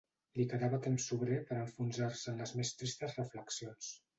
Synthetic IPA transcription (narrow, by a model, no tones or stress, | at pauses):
likəðaβət̪emsːuβɾepəɾəɱfunzaɾsəːnləzmest̪ɾist̪əzrəfləksions